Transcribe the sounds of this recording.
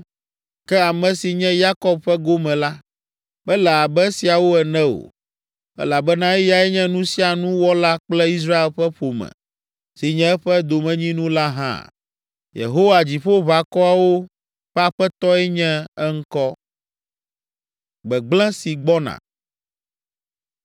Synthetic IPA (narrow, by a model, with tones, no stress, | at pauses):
kɛ˦a˨mɛ̃˨si˨ɲɛ̃˦ja˦kɔ˦b̚ɸɛ˦ɡo˦mɛ̃˨la˦ | bɛ˦lɛ˨a˨bɛ˦si˨a˨wo˦ɛ˨nɛ̃˦o̰˨ | ɛ̰˦la˨bɛ˦nã˦ɛ˦ja˨ɛ˦ɲɛ̃˦nũ˦si˦a˨nũ˦wɔ˦la˦k͡plɛ˦i˦s̬ɾa˦e˨lɸɛ˦ɸo˨mɛ̰̃˨ | si˨ɲɛ̃˦ɛ˦ɸɛ˦d̪o˨mɛ̃˨ɲĩ˦nũ˦la˦ɦã̰˦˨ | jḛ˨ɦo˦wa˨d͡ʑi˨ɸo˦βa˨kɔ˦a˨wo˦ | ɸɛ˦a˨ɸɛ˦t̪ɔ˦ɛ˦ɲɛ̃˦ɛ˦ŋ̩˦kɔ˦ | ɡ͡bɛ˨ɡ͡blɛ̃˦si˨ɡ͡bɔ˦nã̰˨